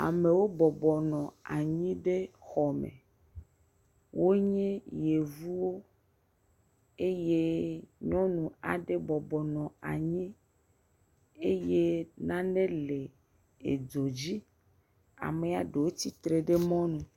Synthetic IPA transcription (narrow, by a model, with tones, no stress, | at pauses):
a̰˨me˨wo˦bɔ˨bɔ˨nɔ̃˨a̰˨ɲĩ˦ɖe˦xɔ˨mḛ̃˨ | wo˦ɲɛ̃˦je˨vu˦wo˦ | e˦je˦ɲɔ̃˦nũ˨a̰˨ɖe˦bɔ˨bɔ˨nɔ̃˨a̰˨ɲĩ˦ | e˦je˦nã˦nẽ˦le˨ | e˨d͡ʒo˨d͡ʑi˦ | a̰˨me˨a˨ɖe˨wo˦t̪i˦t̪ɾe˨ɖe˦mɔ̃˦nũ˨